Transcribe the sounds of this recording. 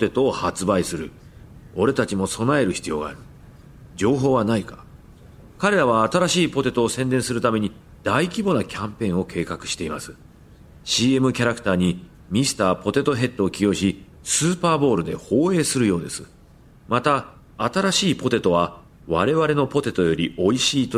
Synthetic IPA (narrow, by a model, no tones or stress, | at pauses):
pot̪e̞t̪o̞ːhat͡sɨbaisɨɾɯ̟ | o̞ɾe̞t̪at͡ɕimo̞so̞nae̞ɾɯ̟çi̥t͡sɨjo̞ːɡa̰ːɾɯ̟ | d͡ʑo̞ːɦo̞ːβanaikḁ | kaɾe̞ɾaβ̞aːt̪aɾaɕiːpo̞t̪e̞t̪o̞ːsẽ̞nd̪eɰ̃sɨɾɯ̟t̪ame̞ɲ̟i | d̪̥aikʲibo̞nakʲʰãmpẽ̞o̞kʰe̞ːkakɯ̟ɕi̥t̪e̞imasɨ̥ | ɕiːe̞mɯ̟kʲaɾakɯ̟̥t̪aːɲ̟i | mʲisɨ̥t̪aːpo̞t̪e̞t̪o̞ɦe̞t̪ːo̞ːkʲijo̞ɕi | sɨːpaːbo̞ːɾɯ̟d̪e̞ho̞ːe̞ːsɨɾɯjo̞ːd̪e̞̰sɨ̥ | mat̪aː | t̪aɾaɕiːpo̞t̪e̞t̪o̞βa | βaɾe̞βaɾe̞no̞po̞t̪e̞t̪o̞jo̞ɾʲio̞iɕiːt̪o